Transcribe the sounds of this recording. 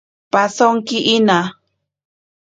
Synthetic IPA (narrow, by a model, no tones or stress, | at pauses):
pasoŋkɪʔina